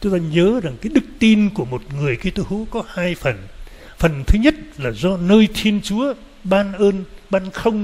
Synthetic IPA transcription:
t͡ɕʊ˨˦ŋ͡mt̪aː˧ɲəː˨˦za˨˩ŋkaː˨˦jɗɨ˦˥k̚t̪i˧nku˧˩əmo˨˩t̚ŋɨ˨˩əjki˧t̪o˧jhu˨˦kɔ˨˦haː˧jfə˨˩n | fə˨˩nt̪ʰɨ˨˦ɲə˦˥t̚laː˨˩zɔ˧nəː˧jt̪ʰi˧ənt͡ɕu˨˦ə | ɓaː˧nʔəː˧nɓaː˧nxə˧wŋ͡m

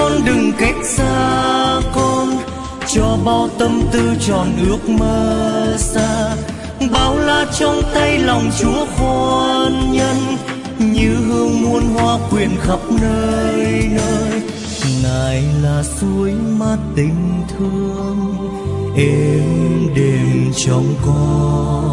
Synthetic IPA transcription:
kɔ˧nɗɨ˨˩ŋka˦˥jk̟̚saː˧kɔ˧n | t͡ɕɔ˧ɓaː˧wt̪ə˧mt̪ɨ˧t͡ɕɔ˨˩nʔɨ˦˥ək̚məː˧saː˧ | ɓaː˨˦wlaː˧˩t͡ɕɔ˧wŋ͡mt̪a˧jlɔ˨˩wŋ͡mt͡ɕu˨˦əfa˧nɲə˧n | ɲɨ˧ɦɨ˧əŋmu˧ənɦwaː˧kwi˨˩ənxə˦˥p̚nəː˧jnəː˧jj | ŋaː˨˩jlaː˨˩su˨˦əjmaː˨˩t̪ï˨˩ŋ̟t̪ʰɨ˧əəŋ | ʔɛ˧mɗe˨˩mt͡ɕɔ˨˧˩wŋ͡mkɔ˧

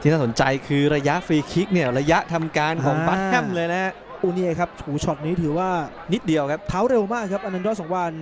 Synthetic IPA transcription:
t͡ɕʰi˧ŋnaː˥˩so˩˦nt͡ɕa˧jkʰɯː˧ɾa˧ja˦˥ʔfiː˧kʰi˦˥k̚ni˥˩ɐɾa˧ja˦˥ʔt̪ʰa˧mkaː˧nkʰɔː˩ŋba˦t̪̚ʰɛ˥˩mlɤː˧jna˦˥ | ʔuː˧ni˧˩˧kʰa˦˥p̚t͡ɕʰuː˨˩˦t͡ɕʰɔ˨˩t̪̚niː˦˥t̪ʰɯː˩˦waː˥˩ | ni˦˥t̪̚di˧əwkʰa˦˥p̚t̪ʰaː˦˥wɾe˧wmaː˥˩kʰːa˦˥p̚ʔa˧na˧ndɔ˦˥sɔː˩˦ŋwa˧n

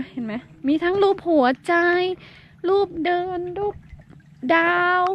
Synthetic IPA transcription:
he˨˩˦nma˦˥miː˧t̪ʰa˦˥ŋluː˥˩p̚hu˩˦ɐt͡ɕa˧j | luː˥˩p̚dɤː˧nluː˥˩p̚ | daː˧w

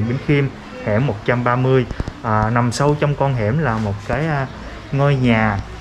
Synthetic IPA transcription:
ɓe˨˦nxi˧m | hɛ̰˧˩mːo˨˩t̚t͡ɕa˧mɓaː˧mɨ˧əjʔaː˨˩na˨˩msa˧wt͡ɕɔ˧wŋ͡mkɔ˧nɦɛ̰˧˥mlaː˨˩mo˨˩t̚kaː˨˦j | ŋə˧jɲaː˨˩

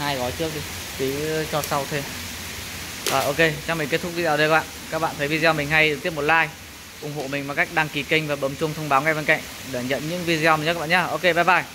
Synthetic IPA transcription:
haː˧jɣɔ˨˦jt͡ɕɨ˦˥ək̚ɗi˧ | t̪i˨˩˦t͡ɕɔ˧sa˧wt̪ʰe˧m | ʔəː˨˩ʔo˧ke˧t͡ɕa˧ŋ͡mmi˨˩ŋke˦˥t̪̚ʊ˦˥k̚vi˧zːə˧ka˦˥˦ɓa̰ː˧˨kaː˦˥k̚ɓa̰ː˧˨nt̪ʰə˨˦jvi˧zɔ˧mï˨˩ŋ̟ɦa˧j̪ɨ˨˩k̚t̪i˦˥əpmo˨˩laː˧j | ʔʊ˨˩ŋ͡mɦo̰˧˨mï˨˩ŋ̟mo˨˩ka˦˥jk̟̚ɗaː˧ŋki˨˩kï˧ŋ̟vaː˨˩ɓəː˨˦mt͡ɕʊ˧ŋ͡mt̪ʰə˧wŋ͡mɓaː˨˦wŋa˧˩jɓe˧nka̰˧˨jŋ̟ | ɗəː˧˩ɲə̰˧˨nɲɨ̰˧˥ŋvi˧zi˧ɔ˧mi˨˩˨ɓa̰ː˧˨ɲaː˧ʔo˧ke˧ɓaː˧˩ɓaː˧˩j

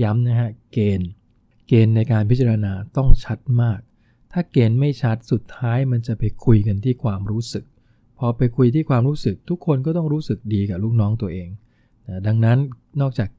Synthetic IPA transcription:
ja˦˥mna˦˥kʰa˦˥keː˧n | keː˧nːa˧jkaː˧npʰi˦˥t̚t͡ɕa˧a˧naː˧t̪ɔ˥˩ŋt͡ɕʰa˦˥t̪̚maː˥˩k̚ | t̪ʰaː˥˩keː˧nma˥˩jt͡ɕʰa˦˥t̪̚su˨˩t̪ʰːaː˦˥jma˧nt͡ɕa˨˩pa˧jkʰu˧jka˧nt̪ʰiː˥˩kʰwaː˧mɾuː˦˥sɯ˨˩k̚ | pʰɔː˧pa˧jkʰu˧jt̪ʰiː˥˩kʰwaː˧mɾuː˦˥sɯ˨˩k̚t̪ʰu˦˥kʰːo˧nkɔː˥˩t̪ɔ˥˩ŋɾuː˦˥sɯ˨˩k̚diː˧kaː˨˩k̚lu˦˥k̚nɔː˦˥ŋt̪u˧ɐʔeː˧ŋ | na˦˩da˧ŋna˦˥n | nɔː˥˩k̚t͡ɕaː˨˩k̚

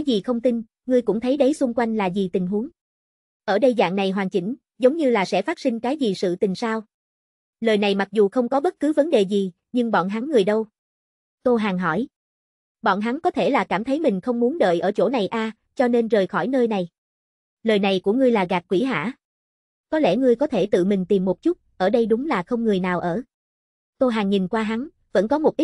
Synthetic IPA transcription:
ka˨˦jzi˨˩xə˧wŋ͡mt̪i˧n | ŋɨ˧əjkʊ̰˧˥ŋ͡mt̪ʰə˨˦jɗə˨˦jsʊ˧ŋ͡mkwa˧jŋ̟laː˨˩zi˨˩t̪ï˨˩ŋ̟ɦu˨˦əŋ | ʔəː˧˩ɗə˧jza̰ː˧˨nna˨˩jɦwaː˨˩ŋt͡ɕi˧˩ŋ̟ | zə˨˦wŋ͡mɲɨ˧laː˨˩sɛ̰˧˥faː˦˥t̚sï˧ŋ̟kaː˨˦jzi˨˩sɨ̰˧˨t̪ï˨˩ŋ̟saː˧w | ləː˨˩jna˨˩jma˨˩k̚zu˨˩xə˧wŋ͡mkɔ˨˦ɓə˦˥t̚kɨ˨˦və˨˦nɗe˨˩zi˨˩ | ɲɨ˧ŋɓɔ̰˧˨nɦa˨˦ŋːɨ˨˩əjɗə˧w | t̪o˧ɦaː˨˩ŋɦɔ˧˩j | ɓɔ̰˧˨nɦa˨˦ŋkɔ˨˦t̪ʰe˧˩laː˨˩kaː˧˩mt̪ʰə˨˦jmï˨˩ŋ̟xə˧wŋ͡mmu˨˦ənɗə̰ː˧˨jʔəː˧˩t͡ɕo̰˧˩na˨˩jʔaː˧ | t͡ɕɔ˧ne˧nzəː˨˩jxɔ˧˩jnəː˧jna˨˩j | ləː˨˩jna˨˩jku˧˩əŋɨ˧əjlaː˨˩ɣaː˨˩k̚kwi˧˩ɦa̰ː˧˥˨ | kɔ˨˦lɛ̰˧˩ŋɨ˧əjkɔ˨˦t̪ʰe˧˩t̪ɨ̰˧˨mï˨˩ŋ̟t̪i˨˩mːo˨˩t̚t͡ɕʊ˦˥t̚ʔəː˧˩ɗə˧jɗʊ˨˦ŋ͡mlaː˨˩xə˧wŋ͡mŋɨ˨˩əjnaː˨˩wʔəː˧˩ | t̪o˧jɦaː˨˩ŋɲi˨˩nkwaː˧ɦa˨˦n | və̰˧˥nkɔ˨˦mo˨˩t̚ʔi˦˥

